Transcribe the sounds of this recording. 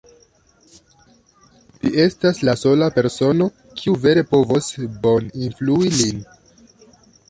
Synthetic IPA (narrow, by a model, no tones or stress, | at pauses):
lie̞staslaso̞lape̞ɾso̞no̞ | kʰiuve̞ɾe̞po̞vo̞sbo̞ninfluilin